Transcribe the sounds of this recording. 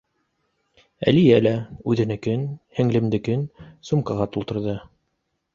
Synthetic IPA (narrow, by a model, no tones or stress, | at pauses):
æ̰lijælæʉðɘ̆nækɵnhɘ̆ŋlɘ̆md̪ɘkɵnsumkɑʁɑt̪ulˠt̪ɤ̆ɾðɤ